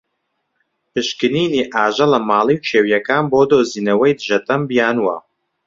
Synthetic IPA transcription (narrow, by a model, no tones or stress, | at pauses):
pʰɨʃkɨniːniːʔaːʒɐlɐmaːlˠiwt͡ʃʰeːwjɐkaːnboːd̪oːziːnɐwɐjd̪ɨʒɐt̪ɐmbijaːnwɐ